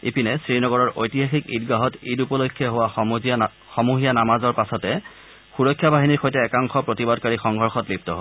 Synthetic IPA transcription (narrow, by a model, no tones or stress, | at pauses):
ipinɛsɹinɔɡɔɹɔɹʔojtiɦaxikḭdɡaɦɔtidupɔlojkʰːjɔɦowa | xɔmuɦijanamazɔɹpasɔtɛ | xuɹɔkʰːjabaɦiniɹxojtɛːkaŋxɔpɹotibadkaɹixɔŋɡʱɔɹxɔtlip̚tɔɦo